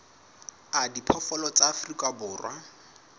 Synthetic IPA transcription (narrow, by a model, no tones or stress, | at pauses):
adipʰɔfɔlɔt͡sʼaːfrikʼabʊːrwa